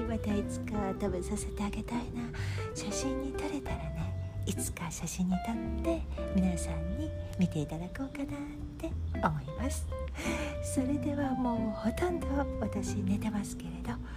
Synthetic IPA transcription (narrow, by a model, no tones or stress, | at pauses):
βat̪ait͡sɨ̥kat̪abɯ̃sase̞t̪e̞aɡe̞t̪ainaɕaɕĩɲ̟ːit̪oɾe̞t̪aɾane̞it͡sɨ̥kaɕaɕĩɲ̟ːit̪ot̪ːe̞mʲinasãɲ̟ːimʲit̪e̞it̪ad̪ako̞ːkana | t̪ːe̞omo̞imasɨ̥ | so̞ɾe̞d̪e̞βamo̞ːho̞t̪õ̞nd̪o̞aβat̪aɕine̞t̪e̞masɨ̥ke̞ɾe̞d̪o̞